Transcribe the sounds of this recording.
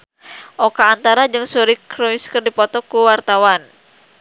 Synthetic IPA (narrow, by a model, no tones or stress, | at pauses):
ʔɔkaːnt̪aɾad͡ʒɨŋsuɾikɾɔiskɨrdipɔt̪ɔkuwart̪awan